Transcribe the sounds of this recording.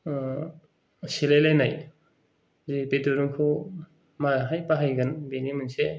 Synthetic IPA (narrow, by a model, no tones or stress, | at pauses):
silejlajnaj | zipeduɾuŋkʰu | maɦajpaɦajɡanbenimɯnse